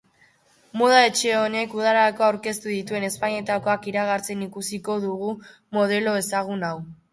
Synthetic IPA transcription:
moð̞ae̞t͡ʃe̞o̞ne̞kuð̞aɾaako̞awɾke̞st̪uðit̪ue̞ne̞spaɲe̞t̪ako̞akiɾaɣ̞aɾt͡se̞nikusiko̞ðuɣ̞u | mo̞ð̞e̞lo̞e̞saɣ̞unaw

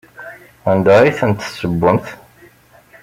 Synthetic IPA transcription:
ænd̪æɾiθənt̪ːsːəbːəmθ

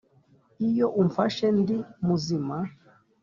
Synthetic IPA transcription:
ijoʔumfaʃendimuzima

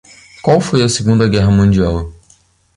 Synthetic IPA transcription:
kwawfojɐseɡũnd̪ɐɡɛɦɐmũd͡ʒiaw

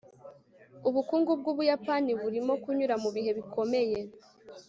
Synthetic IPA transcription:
uβukuːŋɡub̚ɡuːβujapaniβuɾimo̞kuɲuɾamuβiɦe̞βikʰo̞me̞je̞

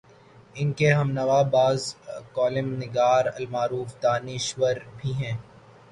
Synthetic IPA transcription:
ɪnkeɦɐmnɐʋaːbaːzkɔːlɪmnɪɡaːɾɐ̰lmaːɾuːfd̪aːnɪʃʋəɾbʱiɦɛ̃ː

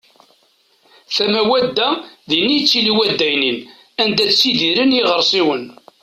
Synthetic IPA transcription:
θæmæwæd̪ːæðinːijt͡sːiliwæd̪ːæjnin | ænd̪æt͡ssiðiɾənjiʁəɾˤsˤiwən

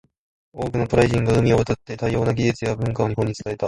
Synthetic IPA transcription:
oːkɯ̟not̪o̞ɾaiʑĩŋɡaɯ̟mʲioβat̪at̪ːe̞t̪aijo̞ːnaɡʲiʑɨt͡sɨjabɯ̟̃ŋkaoɲ̟iɦõ̞ɲ̟ːit͡sɨ̥t̪ae̞t̪a

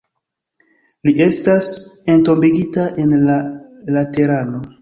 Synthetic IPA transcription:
liʔe̞stase̞nto̞mbiɡitaʔe̞nlalateɾano̞

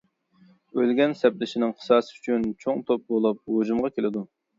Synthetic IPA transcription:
ølɡʲɛnsɛplɪʃɪnɪŋqʰə̥sɑːsɨyt͡ʃʰynt͡ʃʰoŋt̪ʰop̚bolˠup̚hod͡ʒumʁɑkʲelɪd̪u

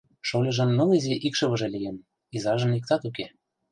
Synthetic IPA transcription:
ʃolʲĕʒɤ̆nːɤ̆lizeʔikʃɤ̆βɤ̆ʒĕlʲijen | izɑʒɤ̆nlik̚t̪ɑt̪uke

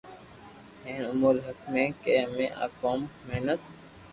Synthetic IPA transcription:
ẽːnʊmuːlɦəkmẽːkeːmẽːʔa̰ːkoːmːeɦnət̪

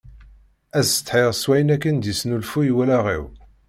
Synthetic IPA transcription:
æz̥t̪ħiʁswæjnækːənd̪isnulfujwælæʁḭw

